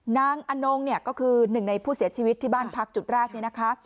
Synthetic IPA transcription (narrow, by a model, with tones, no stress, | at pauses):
naː˦˥ŋʔa˧no˧ŋni˥˩ɐkɔː˥˩kʰɯː˧nɯ˨˩ŋna˧jpʰuː˥˩si˩˦ɐt͡ɕʰiː˧wt̪ʰːiː˥˩baː˥˩npʰa˦˥k̚t͡ɕu˨˩t̪̚ɾɛː˥˩k̚ni˥˩na˦˥kʰa˦˥